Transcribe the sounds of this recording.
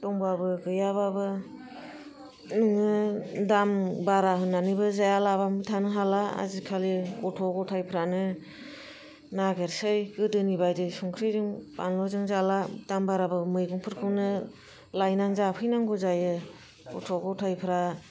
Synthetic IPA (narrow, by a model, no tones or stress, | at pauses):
tɔŋbabɯɡɯjaβabɯ | nɯŋɯdambaɾaɦɯnːanibɯzajalabamɯtʰanɯɦalaa̰zikʰalikɔtʰɔɡɔtʰajpʰɾanɯ | naɡeɾsɯjɡɯdɯnibajdɯsuŋkʰɾizɯŋpa̰nlɔzɯŋzalad̥ambaɾabɯmɯjɡuŋpʰɯɾkʰɯnɯ | lajnaŋzapʰɯjnaŋɡɔzajɯ | kɔtʰɔɡɔtʰajpʰɾa